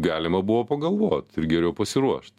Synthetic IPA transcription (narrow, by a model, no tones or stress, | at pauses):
ɡɑːlʲɪmɐbʊʋoːpɐɡɐlˠʋoːt̪ɪɾɡʲɛɾʲɛʊpɐsʲɪɾuɔʃt̪